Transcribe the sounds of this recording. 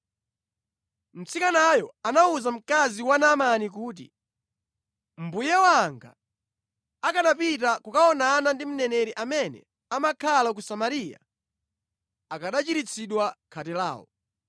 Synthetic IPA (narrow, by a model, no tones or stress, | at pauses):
m̩t͡sikanajɔanauzam̩kaziwanamanik̬uːt̬ḭ | m̩bujɛwaŋɡa̰ː | kaɗapit̬akukaɔnanandim̩nɛnɛɾiʔamɛnɛ̰ | amakʰalak̬usamaɾija̰ | akaɗat͡ʃiɾit͡sʰiɗwakʰatɛla̰ːwɔ̰